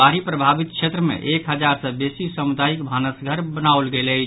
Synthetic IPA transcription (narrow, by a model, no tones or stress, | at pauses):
aɾipɾəbʱabit̪̚kʃʰet̪ɾəmḛʔekɦəd͡ʒaɾsə̃besisəmud̪ajikbʱanəsɡʱəɾbənaolɡelət͡ʃʰ